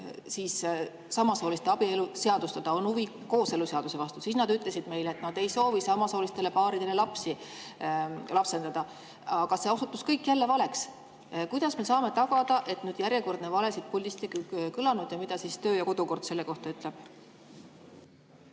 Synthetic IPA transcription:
siːs | sɑmɑso̞ːlist̪e̞ɑbieluseɑd̪̥ust̪ɑd̪̥ɑo̞nuvi | ko̞ːse̞luse̞ɑd̪̥use̞vɑst̪usiːsnɑd̪yt̪ːˑle̞sid̪̥me̞jleet̪ːnɑd̪̥e̞jso̞ːvisɑmɑso̞ːlist̪e̞le̞pɑːɾid̪̥e̞le̞lɑpsi | lɑpse̞nd̪ɑd̪̥ɑ | ɑɡ̥ɑse̞osut̪ːˑuskɤjkːˑjælːe̞vɑle̞ks | kujd̪̥ɑsme̞sɑːme̞t̪ɑɡ̥ɑd̪̥ɑʔe̞t̪nyːd̪jæɾjeko̞rd̪̥nevɑle̞sid̪̚puldist̪ikkɯlɑnud̪̥jɑmid̪̥ɑsiːst̪ø̞ːjɑko̞d̪̥uko̞rd̪̥se̞lːe̞ko̞ht̪ɑyt̪ˑle̞b̥

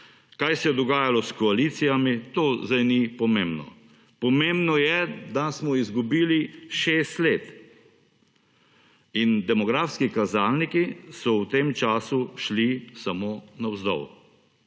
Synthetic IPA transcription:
kajsɛjɛd̪ɔɡaːjalɔskɔaliːt̪sijamit̪oːzd̪ajnipɔmembnɔ̰ | pɔmembnɔjɛd̪asmɔizɡubiːliʃeːst̪leːt̪ | ind̪ɛmɔɡɾaːfskikazaːlnikisɔwt̪emt͡ʃaːsuʃlisamoːnawzd̪ɔ̰w

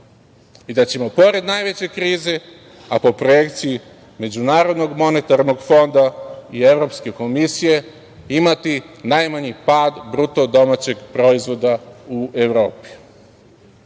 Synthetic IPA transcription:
id̪at͡ɕe̞mo̞po̞ɾe̞d̪najʋe̞t͡ɕe̞kɾiːze̞ | apo̞pɾoje̞kt̪siji | me̞d͡ʑunaːɾo̞d̪no̞ɡmo̞ne̞t̪aɾno̞ɡfo̞nd̪aie̞ʋɾo̞pske̞ko̞misije̞ | imat̪inajmaɲipaːd̪bɾut̪o̞d̪o̞mat͡ɕe̞ɡpɾo̞izʋo̞d̪aue̞ʋɾo̞ːpi̥

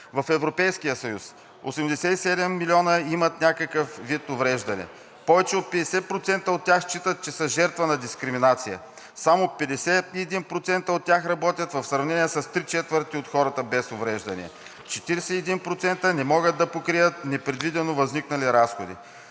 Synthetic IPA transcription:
vɐfɛvɾopɛjskijəsɐjus | o̰sɛmd̪ɛsɛt̪isɛd̪ɛmːilʲiɔnəimɐt̪nʲakəkəfvit̪ovɾɛʒd̪ɐnɛ̰ | pɔvɛt͡ʃɛot̪̚pɛd̪ɛsɛpɾot̪sɛnt̪əot̪̚ːʲjaxʃt͡ʃit̪ət̪̚t͡ʃɛsɐʒɛɾt̪vənɐd̪iskɾiminat̪sijə̰ | samopɛd̪ɛsɛiɛd̪inpɾot̪sɛnt̪əot̪̚ːʲjaxɾɐbɔt̪ʲjət̪vɐfsɾɐvnɛniɛsɐst̪ɾit͡ʃɛt̪vəɾt̪iot̪xɔɾɐt̪əbɛsovɾɛʒd̪ɐnḭɛ̰ | t͡ʃɛt̪iɾɛsɛːd̪inpɾot̪sɛnt̪ənɛmɔɡəd̪ɐpokɾijət̪̚nɛpɾɛd̪vid̪ɛnovɐzniknɐliɾasxod̪ḭ

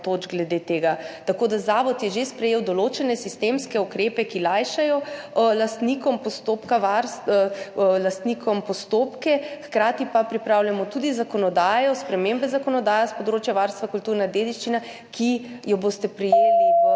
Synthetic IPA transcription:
t̪oːd͡ʒɡlɛd̪et̪eːɡat̪akoːd̪azaːʋɔt̪jɛʒespɾɛjeːwd̪ɔlot͡ʃɛnɛsist̪emskɛukɾeːpɛkilajʃajɔ | last̪nikɔmpɔst̪oːpkaʋaɾs | last̪nikʰɔmpɔst̪oːpkɛxkɾaːt̪ipapɾipɾawljamɔt̪ud̪izakɔnɔd̪aːjɔspɾɛmembɛzakɔnɔd̪aːjaspɔd̪ɾoːt͡ʃjaʋaɾst̪ʋakult̪uːɾnad̪ed̪iʃt͡ʃina | kʰi | jɔboːst̪ɛpɾijeːli

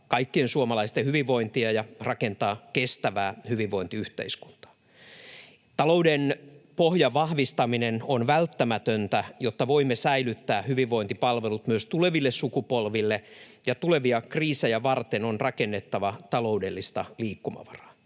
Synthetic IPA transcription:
kɑikːiensuomɑlɑist̪ehyʋiʋːo̞int̪iɑjɑrɑke̞nt̪ɑːkest̪æʋæːhyʋiʋʋːoint̪iyht̪ḛisku̥nt̪ɑ̥ | t̪ɑloudenpohjɑʋɑhʋist̪ɑminenonʋælt̪ːæmæt̪ønt̪æjot̪ːɑʋo̞imːesæilyt̪ːæːhyʋiʋːo̞int̪ipɑlʋelut̪myøst̪uleʋilːessukupolʋilːe | jɑt̪ule̞ʋiɑkriːsejæʋɑrt̪enonrɑkenːet̪ːɑʋɑt̪ɑlo̞udelːist̪ɑliːkːumɑ̰ʋɑrɑ̥

